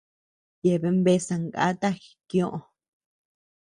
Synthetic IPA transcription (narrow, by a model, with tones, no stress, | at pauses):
je˨βe˧mbe˧˦sã˧ŋɡa̰˦t̪a˦xi̥˨kjõ˦ʔõ˧